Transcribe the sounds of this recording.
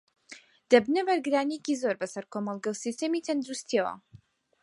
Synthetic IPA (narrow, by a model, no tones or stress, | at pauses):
d̪̥ɐbnɐbɐɾɡɨɾaːnijecizo̞ɾbɐsɐɾkʰomɑlˠɡɐwsist̪emit̪ʰɐnd̪ɾust̪ʰiɐwɐ̰